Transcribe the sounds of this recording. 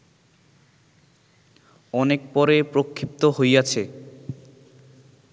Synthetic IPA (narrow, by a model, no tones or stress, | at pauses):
ɔnek̚pɔɾepɾokʰːip̚t̪oɦojat͡ɕʰe